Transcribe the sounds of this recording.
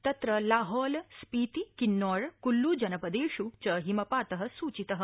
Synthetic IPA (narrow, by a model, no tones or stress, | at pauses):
t̪ɐt̪ɾɐlaːɦɔːlspiːt̪ikinːɔːɽkulːud͡ʒɐnɐpɐd̪eːʂut͡ʃɐɦimɐpaːt̪ɐɦɐ̆suːt͡ʃit̪ɐɦə̆